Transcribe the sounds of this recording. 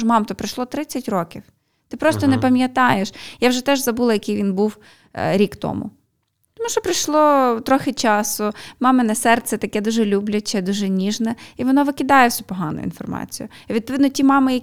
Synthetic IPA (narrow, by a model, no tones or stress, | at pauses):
ʃmɑmt̪ɔpɾɪʃlˠɔt̪ɾɪt͡sʲːɐtʲrɔkʲiw | t̪ɪpɾɔst̪ɔnɛpɐmʲjɐt̪ɑjeʃjawʒɛt̪ɛʒzɐbulˠɐjɐkejʋʲinbuw | ɾʲikt̪ɔ̰mʊ̰ | t̪ɔmuʃɔpɾɪjʃlˠɔt̪ɾɔxɪt͡ʃɑsʊmɑmɪnɐsɛrt̪sɛt̪ɐkɛd̪uʒɛlʲublʲɐt͡ʃɛd̪uʒɛnʲiʒnɛiʋɔnɔʋɪkʲɪd̪ɑjɛwsʲupɔɦɑnʊ̰jʊ̰ḭnfɔrmɑ̰t͡sʲijʊiʋʲid̪̚pɔʋɪd̪nɔtʲimɑmɪjɐ